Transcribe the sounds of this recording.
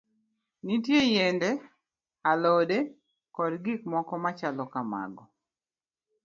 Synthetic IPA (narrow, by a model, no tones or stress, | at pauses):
nitjejendɛ | alɔde | kɔdɡikmɔkɔmat͡ʃalɔkama̰ɡɔ